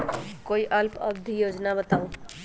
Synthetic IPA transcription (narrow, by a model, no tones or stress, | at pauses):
koiʔʌlpʌ̰bd̪ʱijod͡ʒnabət̪aw